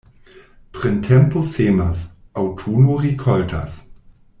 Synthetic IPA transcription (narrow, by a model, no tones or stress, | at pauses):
pʁɪntʰɛmposeːmas | awtʰuːnoʁikʰɔltʰa̰s